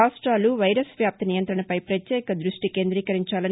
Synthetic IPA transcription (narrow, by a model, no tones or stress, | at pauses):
aːʂʈɾaːluʋɐjɾɐsʋjaːp̚t̪ɐnijɐnt̪ɾɐɳɐpɐjpɾɐt̪jɛːkɐd̪ɾuʂʈike̞ːnd̪ɾiːkɐɾiɲt͡ʃaːlɐn